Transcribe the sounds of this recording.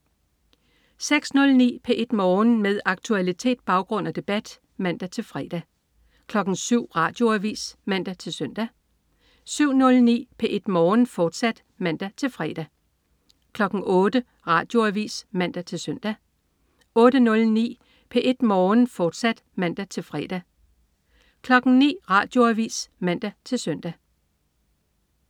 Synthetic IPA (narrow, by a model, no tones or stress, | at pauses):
seɡ̥snɔ̽lnḭːpʰeʔe̝d̥mɒːnmeðˠɑ̈ɡ̥̚t͡sʰuælit͡sʰe̝̰ːd̥̚b̥ɑ̈ʊɡ̥ʁɔ̽n̰æd̥e̝b̥æd̥ | mæn̰d̥æt͡sʰe̝lfʁɛːd̥æ | kʰlɒ̽ɡ̥n̩syʊ̰ʁɑ̰̈ːd̥jo̝æʋḭːsmæn̰d̥æt͡sʰe̝lsœn̰d̥æ | syʊ̰nɔ̽lnḭːpʰeʔe̝d̥mɒːn̩fɒːd̥sæd̥ | mæn̰d̥æt͡sʰe̝lfʁɛːd̥æ | kʰlɒ̽ɡ̥n̩ɔ̽ːd̥ə | ʁɑ̈ːd̥jo̝æʋḭːsmæn̰d̥æt͡sʰe̝lsœn̰d̥æ | ɔ̽ːd̥ənɔ̽lnḭː | pʰe̝ʔe̝d̥mɒːnfɒːd̥sæd̥mæn̰d̥æt͡sʰe̝lfʁɛːd̥æ | kʰlɒ̽ɡ̥n̩nḭːʁɑ̈d̥jo̝æʋḭːsmæn̰d̥æt͡sʰe̝lsœn̰d̥æ